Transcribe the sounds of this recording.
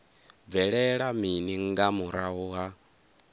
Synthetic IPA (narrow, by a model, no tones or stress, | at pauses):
b̪vɛɺɛɺaminiŋɡamuɾauɦa